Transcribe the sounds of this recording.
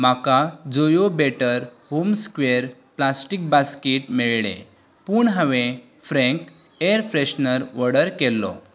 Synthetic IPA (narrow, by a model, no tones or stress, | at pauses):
makad͡zojobeʈəɾ | homskʋeəɾ | plasʈik̚baskiʈmiɭɭḛ̃ | puɳɦəʋẽ | fɾɛ̃ŋk | ejəɾfɾeɕnəɾʋəɽəɾkɛlːɔ̰